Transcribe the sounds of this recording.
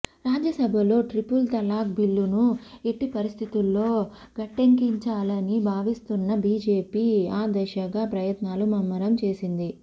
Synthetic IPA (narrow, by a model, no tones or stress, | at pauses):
ɾaːd͡ʒɐsɐbʱɐlo̞ːʈɾipult̪ɐlaːkbilːunueʈːipɐɾist̪ʰit̪ulːo̞ː | ɡ̥ɐʈːeŋkiɲt͡ʃaːlɐnibʱaːʋist̪unːɐbiːd͡ʒe̞ːpiːaːd̪ɐʃɐɡaːpɾɐjɐt̪naːlumɐmːɐɾɐmt͡ʃe̞ːsind̪i